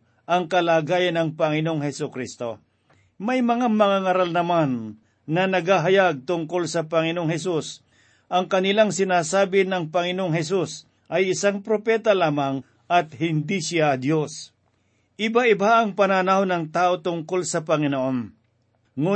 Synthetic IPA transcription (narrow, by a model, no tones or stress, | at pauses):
ʔɐŋkɐlaːɡaːjɐnːɐŋpɐŋɪnooŋɦɛsʊkɾist̪o̞ | mɐjmɐŋamɐŋaːŋɐɾalnɐmanː | ɐnɐɡaːɦɐjaɡ̚t̪ʊŋkolsɐpɐŋɪnooŋɦɛs̬us | ʔɐŋkɐnɪlaŋsɪnaːsaːbɪnɐŋpɐŋɪnoʔoŋɦɛs̬us | ʔɐjɪsaŋpɾopɛːt̪ɐlaːmɐŋ | ʔɐt̪̚hɪnd̪isɪad̪jo̞s | ʔɪbaʔɪbaʔɐŋpɐnanahonɐŋt̪aːʔo̞t̪ʊŋko̞lsɐpɐŋɪnoʔo̞n | ŋu